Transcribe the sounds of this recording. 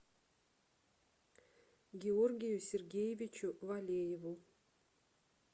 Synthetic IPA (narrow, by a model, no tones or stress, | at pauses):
ɡʲeorɡʲɪjusʲerɡʲejevʲit͡ʃuvalʲejevu